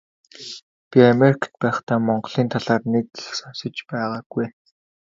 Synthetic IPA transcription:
pʲiameɾikʰḁt̪̚pæːχt̪aːmɔɴɢɮiːnt̪ʰaɮaːrneke̥xsɔnsɞ̆t͡ɕpæːʁaːɡ̥uj

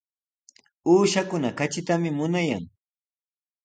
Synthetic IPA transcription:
uːʃakʊnakat͡ʃɪt̪amɪmʊnaja̰ŋ

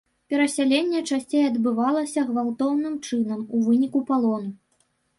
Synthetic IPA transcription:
pʲɛɾɐsʲalʲenʲːɛt͡ʂasʲt͡sʲejɐd̪bɨvalˠɐsʲɐɣvalˠt̪ɔwnɨmt͡ʂɨnɐmuvɨnʲikupalˠɔnu

